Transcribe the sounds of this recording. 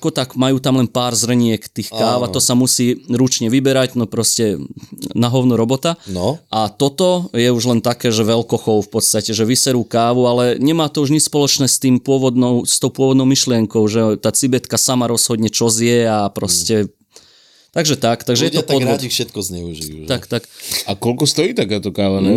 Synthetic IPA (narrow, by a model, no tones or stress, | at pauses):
akɔt̪akmajuːt̪amlɛnpaːɾzr̩ɲɪɛkt̪iːxkaːʋat̪ɔsamusiːɾut͡ʃɲɛʋibɛɾaɟnɔpɾɔscɛnaɦɔʊnuɾɔbɔt̪anɔʔat̪ɔt̪ɔjɛuʒlɛnt̪akɛːʒɛʋɛlkɔxɔʊfpɔt̪st̪acɛʒɛʋisɛɾuːkaːʋualɛɲɛmaːt̪ɔuʒɲispɔlɔt͡ʃnɛːst̪iːmpʊɔʋɔd̪nɔʊst̪ɔʊpʊɔʋɔd̪nɔʊmiʃlɪɛŋkɔʊʒɛt̪aːt͡sibɛt̪kasamaɾɔz̥ɦɔd̪ɲɛt͡ʃɔzɪjɛapɾɔscɛ | t̪aɡʒɛt̪akt̪aɡʒɛjɛɔpɔd̪ɔifʃɛt̪̚kɔzɲɛuʒiʒt̪akt̪akakɔlkɔst̪ɔjiːt̪akaːt̪ɔkaːʋanɛ